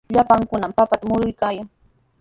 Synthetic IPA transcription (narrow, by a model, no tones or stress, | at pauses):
ʎapaŋkʊnampapat̪amʊɾʊjkaːjaŋ